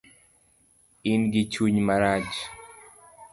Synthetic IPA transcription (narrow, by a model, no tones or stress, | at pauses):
ɪnɡɪt͡ʃuɲmaɾat͡ʃ